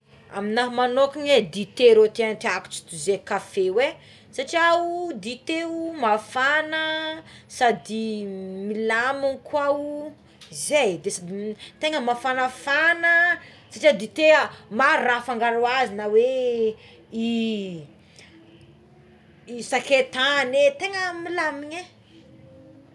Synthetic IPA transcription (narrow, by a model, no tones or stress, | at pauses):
a̰minaɦmanokiɲed̪it̪eɾot̪eant̪iaku̥ʈ͡ʂi̥t̪uzekafewe | saʈ͡ʂiaud̪it̪eumafanəsad̪imilamunkʰwau | izejd̪esad̪it̪eŋəmafanəfanə | saʈ͡ʂiad̪it̪eəmaɾrafaŋɡaɾuazinəwe | i | isaket̪anet̪eŋəmilamiɲe